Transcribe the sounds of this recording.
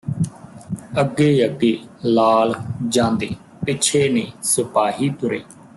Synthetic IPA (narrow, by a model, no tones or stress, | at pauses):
əɡːeːəɡeːlaːld͡ʒãːnd̪eː | pɪːt͡ʃʰeːneːsəpaːɦiːt̪ʊɾḛː